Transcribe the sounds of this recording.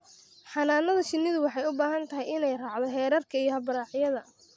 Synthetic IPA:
ħɑnaːnːɐðɐʃɪnːɪðʊwɑħɑjʊbaːɦɐnt̪ʰɐɦɛjɪnɛjrɑːʕd̪ɔɦɛːɾɐrkʰɐijɞhɐbɐɾɑːħjɐðɐ

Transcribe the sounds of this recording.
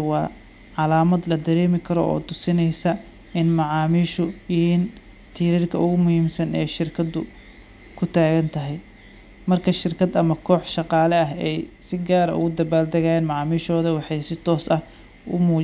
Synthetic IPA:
wɑː | ʕɑlaːmɐd̪lɐd̪ɐɾɛːmɪkʰɐɾɔʔɔ̰ːt̪ʰʊsɪnɛjsɐ | ɪnmɑʕɑːmiːʃʊjɪhiːn | t̪ʰiːɾiːrkʰɐʊɣʊmʊhiːmsɐnɛjʃɪrkʰɐd̪ʊ | kʰʊt̪ʰaːɣɐnt̪ʰɐɦɛj | mɐrkʰɐʃɪrkʰɐd̪ɐmɐkʰɔːħʃɑqɑːlɛɐɦɛjsɪɡaːɾɐ̰ʔʊ̰ɣʊd̪ɐbaːld̪ɐɣaːjɛːnmɑʕɑːmiːʃɔːðɐwɑħɑjsɪt̪ʰɔːsɐh | ʊmuː

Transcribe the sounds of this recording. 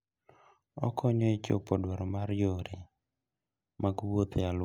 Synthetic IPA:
ɔ̰kʰɔɲɔɪt͡ʃo̰pɔdwaɾɔmaɾjoɾe | maɡwot̪jal

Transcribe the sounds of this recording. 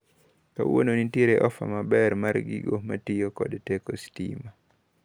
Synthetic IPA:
ka̰wononitieɾeʔɔfa̰mabɛɾmaɾɡḭɡomatɪjokɔ̰dtɛkostḭma

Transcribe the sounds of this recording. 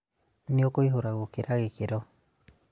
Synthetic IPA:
niokoiɦoɾaɣokeɾaɣekeɾɔ

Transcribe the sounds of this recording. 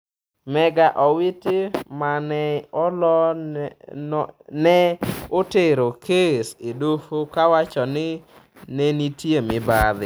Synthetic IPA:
mɛɡaʔɔwɪtɪmanɛɔlɔ | nɛoteɾokʰesedofokawat͡ʃɔnɪ | nɛnitjemɪbaðɪ

